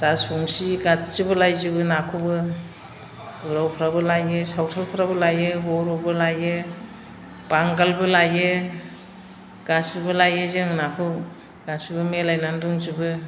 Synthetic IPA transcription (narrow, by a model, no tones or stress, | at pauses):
dasuŋsiɡat͡ʃɯbɯlajzɯbɯnakʰɯbɯ | uɾawpʰɾabɯlajɯsawtʰalpʰɾabɯlajɯbɔɾɔbɯlajɯ | b̥aŋɡalbɯlajɯ | ɡ̥asɯbɯlajɯzɯŋnakʰɯ | ɡ̥asibɯmelajnanduŋzɯbɯ